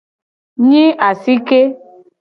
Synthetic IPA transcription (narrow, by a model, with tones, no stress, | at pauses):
ɲĩ˦ʔa˨si˦ke˦